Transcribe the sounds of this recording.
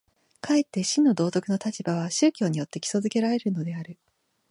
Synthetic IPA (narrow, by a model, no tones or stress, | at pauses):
kʰae̞t̪ːe̞ɕĩnːo̞d̪o̞ːt̪o̞kɯno̞t̪at͡ɕibaβ̞aɕɨːkʲo̞ːɲ̟ijo̞t̪ːe̞kʲi̥so̞zɨke̞ɾaɾe̞ɾɯ̟no̞d̪e̞aɾɯ̟